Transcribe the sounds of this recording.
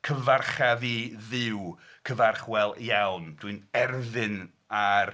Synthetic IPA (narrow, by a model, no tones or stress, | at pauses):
kʰəvarχaviðɪwkʰəvarχwɛlˠjawnd̥wɨnɛrðɪn | ar